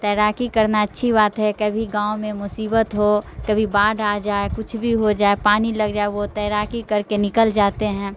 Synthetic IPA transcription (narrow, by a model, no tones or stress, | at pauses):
t̪ɛːɾaːkikɐɾnaɐtːʃʰibaːt̪ɦɛkɐbʱiɡãːõmẽmʊsiːbət̪ɦokɐbʱibaːɖaːd͡ʒaːekʊt͡ʃʰbʱiɦod͡ʒaːepaːnilɐɡd͡ʒaːeʋot̪ɛːɾaːkikɐɾkenɪkəld͡ʒaːt̪eɦɛ̃ː